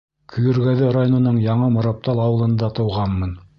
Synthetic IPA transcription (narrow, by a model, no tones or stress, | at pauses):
kʰɵ̆jɵ̆ɾɡæðɘɾajonŏnɤɴjɑɴɤmŏɾɑp̚t̪ɑlˠɑwɤ̆lˠɤ̆nd̪ɑt̪ɤ̆wʁɑnmɤn